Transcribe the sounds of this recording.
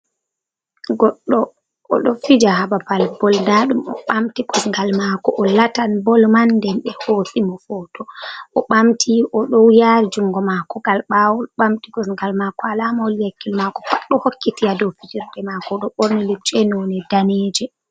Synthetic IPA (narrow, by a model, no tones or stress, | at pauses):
ɡɔɗːɔ̰ː | ɗɔfid͡ʒahabapalbɔldaɗumɔɓamtiɡɔsŋɡalmakɔʔɔlatanbɔlmandɛnɓɛhoːsimɔfɔːtɔɔɓamtʰiʔɔɗɔwjaːɾid͡ʒuŋɡɔmakɔɡalɓawɔlɓamtiɡɔsŋɡalmakɔalamaɔljekːilmakɔ̥faɗːɔhokːitiadɔwfid͡ʒiɾdɛmakɔɗɔɓɔɾnɛlɛt͡ʃɛnɔnɛdaneːd͡ʒɛ